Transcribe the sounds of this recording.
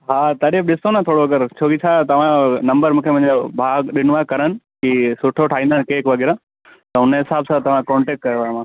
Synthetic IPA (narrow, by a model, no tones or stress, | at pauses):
ɦaːt̪ɐɗebɗɪsonãt̪ʰoːɽoɐɡəɾt͡ɕʰoːkit͡ɕʰat̪ɐʋ̤ãnɐ̃mbəɾmũːkʰemɐ̃ɦɪ̃d͡ʑobʱaːɡɗɪnʋaːkɐɾənɪ̆kisʊʈʰoʈʰaːɦĩnd̪aːnɪkeːɪkʋɐɡɛːɾã | t̪ɐɦʊnɦɪsaːbsãt̪ɐʋ̤ãkɔ̃ːɳʈeːk̚ʈ̚kɐɾʋamãː